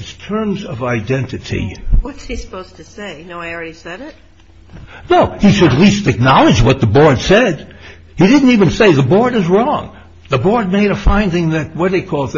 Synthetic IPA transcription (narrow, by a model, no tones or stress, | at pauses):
ɨz̥tʰɜ̃˞mzʌvaɪdɛ̃ntɨɾḭwʌtshisə̥poʊztʰɨseɪnoʊaɪl̩ˠɹɛɾisɛɾɪt̚ | noʊhiʃɨtˡlistɨk̚nɑlˠɨd͡ʒwʌt̪̚ðəbɔɹd̥sɛd | hidɪdⁿn̩tivɨ̃nseɪðəbɔɹɾɨzɹɔ̃ŋ | ðəbɔɹd̚meɪɾɨfãɪ̃ndɪ̃ŋðɨt̚wʌt̪̚ðeɪkʰɔlˠ